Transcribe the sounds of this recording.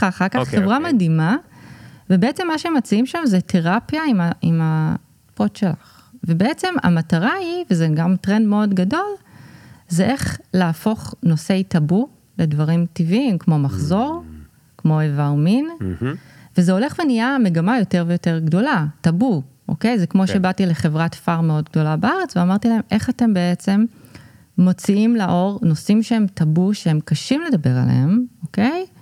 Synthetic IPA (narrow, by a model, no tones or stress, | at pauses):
aaχaʁkaχːevvʁamadima | vebeet͡se̞mːaʃeemat͡siimʃamzeteʁapjaimaima | potʃe̞la̰χ | vebeet͡se̞ma̰mataʁaivezeɡamtʁendmeo̞dɡado̞l | zeʔe̞χlaːfo̞χno̞se̞jtabu | le̞dvaʁimtivːmkmo̞maχzo̞ʁ | kmo̞evamin | vezeo̞le̞χvenijame̞ɡamajo̞te̞ʁvejo̞te̞ʁɡdo̞latabuʔo̞̰ke̞jzekmo̞ʃe̞batile̞χe̞vʁatfaʁmeo̞dɡdo̞labaaʁet͡sveamaʁtilahe̞mʔe̞χate̞mbe̞et͡se̞mː | o̞t͡siimlaʔo̞ʁno̞simʃehe̞mtabuʃehe̞mkaʃimle̞dabe̞ʁa̰lḛemoke̞j